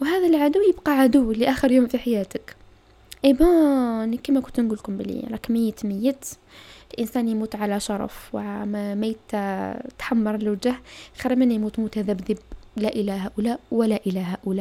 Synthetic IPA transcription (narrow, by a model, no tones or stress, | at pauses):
wɦæːðælʕad̪ʊwjəbqɑʕad̪uwliʔaːxəɾjuːmfiħajæːt̪ək | ʔebɑnikimækʊnt̪nɡuːlkʊmbəlḭɾˤɑkmɪjːət̪mɪjːət̪ | lʔənsæːnjmuːt̪ʕalæʃɑɾˤɑ̰fwʕmmajt̪t̪ħamːɑɾˤlwd͡ʒahxiɾmɪnːjmuːt̪mut̪haðæbðəblæʔɪlæɦaʔʊlæʔwɪlæʔɪlæɦaʔʊlæʔ